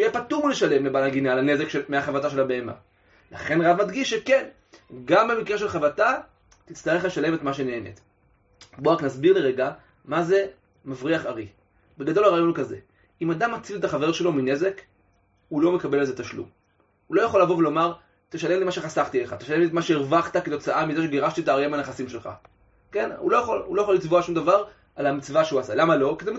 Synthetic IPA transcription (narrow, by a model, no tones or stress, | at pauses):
ujepatumuleʃale̞mlebalaɡinalane̞zekʃemeaχavataʃe̞lhabeema̰ | la̰χe̞nʁavmad̪ɡiʃːeke̞n | ɡambe̞mikʁe̞ʃ̬e̞lχavata | t̪it͡st̪aʁe̞χle̞ʃale̞metmaʃeneenḛt | boaknasbiʁleʁeɡa | maze̞ | mavʁiaχaʁi | beɡad̪o̞laʁaːjo̞nkaze̞̰ | imad̪amːat͡silet̪aχave̞ʁʃe̞lo̞mine̞ze̞k | hulo̞me̞kabelezet̪aʃlṵm | hulo̞jaχo̞lavo̞velo̞maʁ | t̪eʃale̞mlimaʃe̞χasaχt̪ieχat̪eʃale̞mlietmaʃeiʁvaχt̪aket̪o̞t͡saʔamizeʃeɡeʁaʃtitaːʁjemaneχasimʃe̞lχa̰ | ke̞nṵlo̞jaχolulojaχolit͡svoaʃumd̪avaʁ | alamit͡svaʃeuasalamalo̞kize